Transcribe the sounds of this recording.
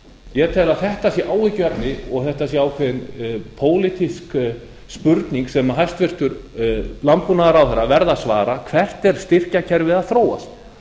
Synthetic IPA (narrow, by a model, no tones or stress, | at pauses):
jɛt̪ʰɛːlaðθɛht̪asjɛʔaːwhɪcʏɛpnɪɔɣθɛht̪as̬jɛaːwkʰvɛðɪnpʰoːwlɪt̪isk | spʏɾt̪niŋksɛmaɦajst̪vɪr̥t̪ʏɾlampunaðɾawθɛɾːavɛɾðasva̰ːɾakʰvɛr̥t̪ɛɾ̥st̪ɪr̥cacʰɛɾvɪðaðθɾoːwa̰st̪